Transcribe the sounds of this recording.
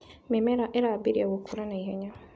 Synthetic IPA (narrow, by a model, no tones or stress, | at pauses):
memɛɾaʔeɾabiɾiawokuɾanaiɦɛɲa